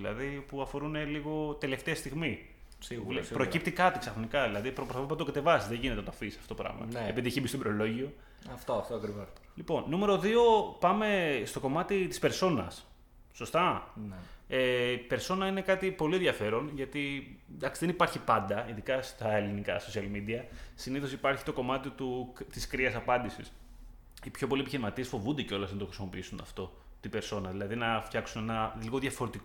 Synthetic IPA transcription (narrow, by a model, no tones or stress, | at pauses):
ilɐ̰ðipuɐfo̞ɾune̞liɣo̞t̪e̞left̪e̞ɐst̪iɣmi | slpɾo̞cip̚t̪ikɐt̪iksɐxɾonikɐðilɐðipɾopɾosfopɐt̪oɡɐt̪e̞vɐsizðeʝinet̪enɐt̪oɐfisɐft̪oopɾɐ̰ɣmɐ̰eepiðieçimbistobɾoloʝio̞ | ɐft̪oɐft̪oɐkɾivos | lipo̞nːume̞ɾo̞ðio̞pɐme̞st̪o̞ko̞mɐt̪it̪ispe̞ɾso̞nɐ̰sː | o̞st̪ɐneipe̞ɾso̞nɐine̞kɐt̪ipo̞lieðʝɐfe̞ɾo̞nʝɐt̪ind̪ɐksiðenipɐɾçipɐnd̪ɐiðikɐst̪ɐelinikɐ̰so̞siɐlmid̪iɐsiniθosipɐɾçi̥t̪o̞ko̞mɐt̪it̪ut̪iskɾiɐsɐpɐnd̪isḭs | ipço̞p̬o̞lie̞piçiɾimɐt̪iesfo̞vund̪eceo̞lɐznɐnt̪o̞xɾisimo̞piisunɐ̰ft̪o̞ | t̪ibe̞ɾso̞nɐðilɐðinɐft̪çɐksune̞nɐliɣo̞ðʝɐfoɾet̪iko